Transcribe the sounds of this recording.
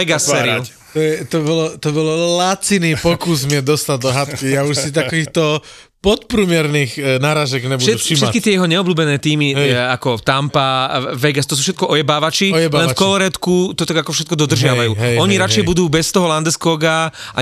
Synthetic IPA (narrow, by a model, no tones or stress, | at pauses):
ɛɡasːɛːɾiu | t̪ɔjɛt̪ɔbɔlɔt̪ɔbɔlɔlat͡siniːpɔkuzmɪɛd̪ɔst̪add̪ɔɦat̪kijauʃsit̪akɔʋiːxt̪ɔ | pɔt̪pɾumɪɛɾniːɣnaːɾaːʒɛɡɲɛbudɛuiʃɛt̪kit̪ɪɛjɛɦɔɲɛɔbluːbɛnɛːt̪iːmiakɔt̪ampaʋɛɡast̪ɔs̬uːfʃ̬ɛt̪̚kɔʔɔjɛbaːʋat͡ʃijɛbalɛnfkɔlɔɾɛt̪kut̪ɔt̪aɡakɔfʃɛt̪̚kɔd̪ɔd̪r̩ʒɪaʋajuːɔɲiɾat͡ʃjɛbud̪uːbɛst̪ɔɦɔland̪ɛskɔːɡa | ʔa̰